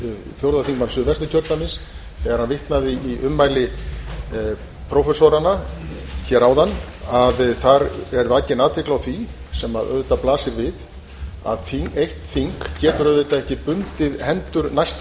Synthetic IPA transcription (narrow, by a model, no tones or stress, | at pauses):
θjowɾðaθiŋkmansʏvɛst̪ɪcʰœɾt̪namɪns | θɛɣaɾ̥hanvɪht̪naðɪiʔʏmːajlɪ | pʰɾɔwfɛsɔɾanaçɛɾawðan | aðθaɾɛɾvacɪnaːðt̪vɪklawθvi | sɛmaðʔœ̰ðt̪aplaːsɪɾvɪð | a̰ðθiejht̪θiŋkcɛːt̪ʏɾœðvejt̪aɛhcɪpʏnt̪ɪðhɛnt̪ʏɾnajst̪